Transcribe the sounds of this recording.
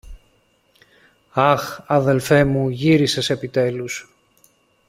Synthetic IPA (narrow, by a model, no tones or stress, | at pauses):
ɐxɐðe̞lfe̞muʝiɾisese̞pit̪e̞lus